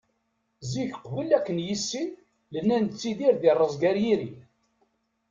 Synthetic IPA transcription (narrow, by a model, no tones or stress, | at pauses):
ziçəqvəlːækːənjisːin | lənːænt͡sːiðiɾðɪrˤːəzˤɡæɾjiɾi